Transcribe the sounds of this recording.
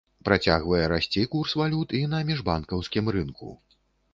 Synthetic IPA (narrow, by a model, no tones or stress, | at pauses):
pɾat͡sʲaɣvɐjɛɾasʲt͡sʲikursvalʲut̪inɐmʲiʐbankɐwskʲimrɨnkṵ